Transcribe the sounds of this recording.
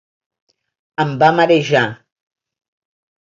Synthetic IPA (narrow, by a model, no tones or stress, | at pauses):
ambamaɗeʒã